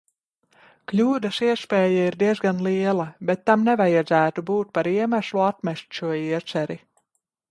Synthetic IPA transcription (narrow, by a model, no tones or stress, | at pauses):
klʲuːd̪ɐsiɛspʲɛːjaiɾd̪iɛzɡanliɛlˠabɛt̪ːamnɛvajad̪zæːt̪ubuːt̪̚paɾiɛmæʃluat̪̚mʲɛʃt̪ʲʃuɔiɛsɛɾi